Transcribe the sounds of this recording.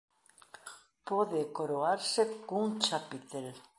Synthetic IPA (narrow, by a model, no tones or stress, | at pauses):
poðekoɾoaɾsekuŋt͡ʃapit̪el